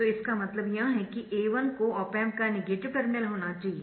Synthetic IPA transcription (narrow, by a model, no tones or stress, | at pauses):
t̪oɪskamɐt̪ləbjɐɦɦɛkiʔeːʋənkoɔːpɛ̃ːmkanɪɡeːʈɪʋkɐɾmnelɦoːnat͡ʃaːɦie